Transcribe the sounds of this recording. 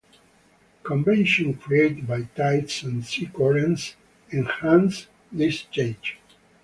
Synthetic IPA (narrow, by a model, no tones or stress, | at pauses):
kɔ̃mvɛ̃nʃɔ̃nkʰɹieɪtbajtajtsɛ̃ndsikɔɹɛ̃ns | ɛ̃nhãns | d̪ɪst͡ʃẽnd͡ʒ